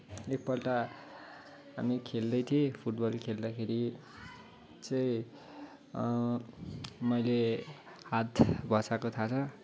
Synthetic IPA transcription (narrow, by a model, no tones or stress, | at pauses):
ek̚pʌlʈa | ɦa̰mikʰeld̪ʌjt̪ʰiepʰuʈbʌlkʰeld̪akʰeɾi | t͡sʌĩ | mʌjlehat̪ʰbʱʌsakot̪ʰat͡sʰʌ